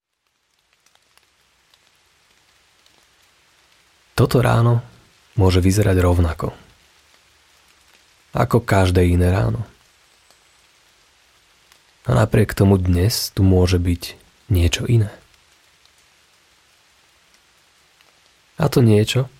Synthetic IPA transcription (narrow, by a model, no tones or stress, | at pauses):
t̪ɔt̪ɔɾa̰ːnɔ | mʊɔʒɛʋizɛɾaɟɾɔʊnakɔ̰ | a̰kɔkaʒd̪ɛːinɛːɾa̰ːnɔ | ana̰pɾɪɛkt̪ɔmud̪ɲɛst̪umʊɔʒɛbic | ɲɪɛt͡ʃɔʔinɛː | a̰t̪ɔɲɪɛt͡ʃɔ